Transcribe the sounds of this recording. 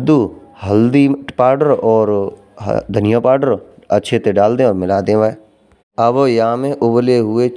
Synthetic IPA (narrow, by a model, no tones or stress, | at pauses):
d̪u | həld̪ipaːɾɖəɾɔːɾ̰ | d̪ʱənɪjaːpaːɖəɾətːʃʰet̪eɖaːld̪ẽɔːɾmɪlaːd̪ẽʋae | əbojɐɦãmẽʔʊbleɦʊe